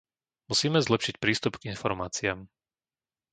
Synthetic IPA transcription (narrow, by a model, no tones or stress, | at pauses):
musiːmɛzlɛpʃicpɾiːst̪upɡinfɔɾmaːt͡siaːm